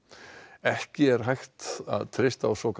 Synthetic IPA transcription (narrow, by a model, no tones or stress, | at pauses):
ɛhcɪɛɾ̥ɦajxt̪a̰ðt̪ʰɾɪjst̪awsɔk